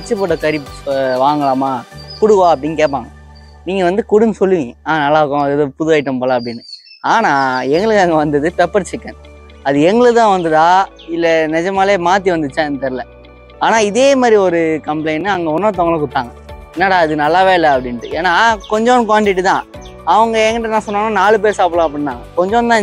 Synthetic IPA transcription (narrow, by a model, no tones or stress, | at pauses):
ɐt͡ʃːɯpoːʈːɐkɐɾɪpʋaːŋɡɐɭaːmaːkʊɽɯɣõːɐp̬ːɐɽɪnːkeːp̬aːŋɡɐ | niːŋɡɐʋɐnd̪ɯkʊɽɯnsɔlːɯʋɪ̃ŋːɐaːnɐlːaːɯkːõɐðɛðopʊðɯʋaːɪʈːɐmpoːlaɐp̬ːɽɪnːɯ | aːnãːɛŋɡɐɭɯkːɐŋɡɐʋɐnd̪ɐðɯpɛpːɐɾt͡ʃɪkːɐ̰̃ː | ɐðɯɛŋɡɐɭɯt̪ãːʋɐnd̪ɐðaː | ɪlːɛnɛd͡ʒɐmaːleːmaːt̪̬iʋɐnd̪ɯt͡ʃːãnt̪ɛɾɯlɛ | aːnaːɪðeːmaːd̪ɾiɔɾɯkɐmpleɪnːɯɐŋɡɐɔnːoːt̪ɔŋɡɐɭɯkːʊʈ̪ːãːŋɡɐɛnːaːɽaːɐðɯnɐlːaːʋeːɪlːɐɐpːɽɪnʈɯeːnaːkɔɲd͡ʒõnkʋaːɳʈɪʈːɯt̪ãː | ɐʋɐŋɡɐɛŋɡɐʈːɯnãːsɔnːaːnːaːnaːɭɯp̬eːɾsaːpɯɭãːɐpːɐɽɪnːãːkɔɲd͡ʒɔ̃nt̪ãː